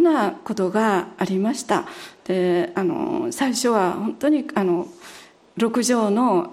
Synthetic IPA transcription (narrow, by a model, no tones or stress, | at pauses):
nako̞t̪o̞ɡaːɾʲimaɕi̥t̪a̰d̪̥e̞ano̞̰saiɕo̞βahõ̞nt̪o̞ɲ̟iano̞ | ɾo̞kɯ̟ʑo̞ːno̞